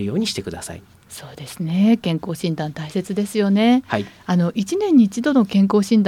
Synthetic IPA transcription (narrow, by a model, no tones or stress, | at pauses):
ɯ̟jo̞ːɲ̟iɕi̥t̪e̞kɯ̟d̪asa̰ḭ | so̞ːd̪̥e̞sɨne̞kẽ̞ŋko̞ːɕĩnd̪ãnt̪aise̞t͡sɨd̪e̞sɨjo̞ne̞haiano̞ʔit͡ɕinẽ̞ɲ̟ːiːt͡ɕid̪o̞no̞kẽ̞ŋko̞ːɕĩnd̪a